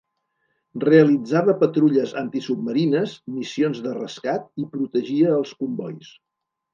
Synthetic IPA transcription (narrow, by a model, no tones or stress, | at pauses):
reəlid͡zaβəpət̪ɾuʎəzant̪isub̚məɾinəzmisionzðərə̰skat̪̚ipɾut̪əʒiəːlˠskumbɔjs